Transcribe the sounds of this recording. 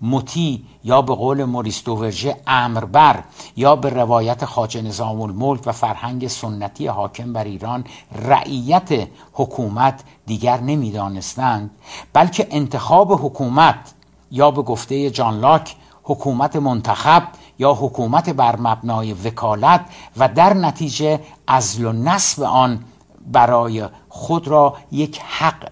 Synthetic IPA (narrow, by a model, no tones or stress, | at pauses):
mot̪ʰiː | jɒːbe̞ɣoːle̞moɾist̪ove̞ɾʒeæːmɾbæɾjɒːbe̞revɒːjæt̪ʰexɒːt͡ʃe̞ne̞zɒːmolmolcʰvæfæɾhæŋɟesonːæt̪ʰijeɦɒːcʰe̞mbæɾiːɾɒːnræ̰ʔiːjæt̪ʰe | hokʰuːmæt̪ʰ | d̪iːɟæɾne̞miːd̪ɒːne̞st̪ænd̪̥̚bælcʰe̞ʔent̪ʰe̞xɒːbe̞ɦokʰuːmæt̪ʰ | jɒːbe̞ɡoft̪e̞jed͡ʒɒnlɒːcʰ | hokʰuːmæt̪ʰemont̪ʰæxæb̚ | jɒːɦokʰuːmæt̪ʰe̞bæɾmæbnɒːje̞ve̞kʰɒːlæt̪ʰvæd̪æɾnæt̪ʰiːd͡ʒe̞ | ʔæzlonæsbḛʔɒːn | bæɾɒːje | χod̪rɒːje̞cʰhæq